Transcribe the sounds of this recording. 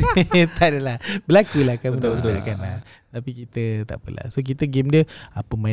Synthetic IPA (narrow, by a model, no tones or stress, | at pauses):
t̪adəlahbəlakulakaunaʔudakanlah | t̪apikit̪ət̪a̰ʔpə̰la̰sok̬it̪əɡemdiəapəmã